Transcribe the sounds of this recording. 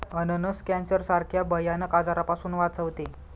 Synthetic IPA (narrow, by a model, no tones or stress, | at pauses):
ənənəskɛ̃nsəɾsaɾkʰjabəjanəkad͡zaɾapasuːnʋat͡səʋt̪e